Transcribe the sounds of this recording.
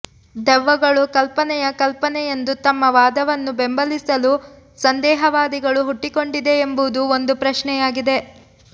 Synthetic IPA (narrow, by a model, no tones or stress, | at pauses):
d̪ɛʋːɐɡɐɭukɐlpɐnɛjɐkɐlpɐnɛje̞nd̪ut̪ɐmːɐʋaːd̪ɐʋɐnːubembɐlisɐlu | sɐnd̪ɛːɦɐʋaːd̪iɡɐɭuɦuʈːiko̞ɳɖid̪e̞ːmbud̪uond̪upɾɐʃɳɛjaːɡid̪e̞